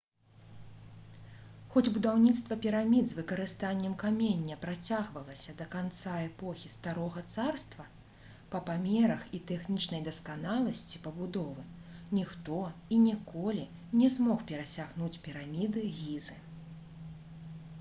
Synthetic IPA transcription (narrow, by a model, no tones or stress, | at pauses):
xɔd͡zʲbud̪awnʲit̪st̪vɐpʲiɾamʲid̪zvɨkɐɾɨst̪anʲːɛmkamʲenʲːɐpɾat͡sʲaɣvɐlˠɐsʲɐd̪ɐkant̪saɛpɔxʲist̪aɾɔɣɐt̪sarst̪vɐ | pɐpamʲɛɾɐxit̪ɛxnʲit͡ʂnɐjd̪ɐskanalˠɐsʲt͡sʲipɐbud̪ɔvɨnʲixt̪ɔinʲɛkɔlʲi | nʲɛzmɔxpʲɛɾɐsʲaɣnut͡sʲpʲiɾamʲid̪ɨɣʲizɨ